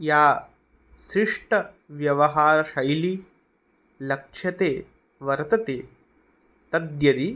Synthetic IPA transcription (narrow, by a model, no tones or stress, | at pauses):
jaː | ʃɾiʂʈɐ | ʋjɐʋɐɦaːɾɐʃɐjli | lɐkʂʰjɐt̪eː | ʋɐɾt̪ɐt̪eː | t̪ɐd̪jɐd̪i